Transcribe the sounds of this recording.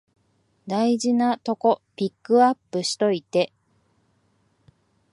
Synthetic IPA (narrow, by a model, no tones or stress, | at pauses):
d̪aiʑinat̪o̞ko̞pʲikːɯ̟apːɯ̟ɕi̥t̪o̞it̪e̞